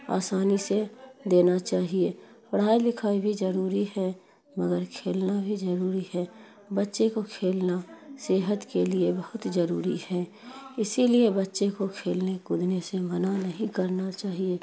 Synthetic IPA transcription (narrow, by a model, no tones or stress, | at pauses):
a̰ːsaːnised̪eːnat͡ʃaːɦie | pəɽ̤aːid̪ɪkʰaːibʱid͡ʒəɾuːɾiɦɛ | məɡəɾkʰeːlnabʱizəɾuːɾihɛː | bətːʃekokʰeːlnaseːɦət̪keliebəhʊt̪zəɾṵːɾihɛː | ɪsiliebətːʃekokʰeːlnekʊd̪nesemənanəɦĩkəɾnat͡ʃaːɦie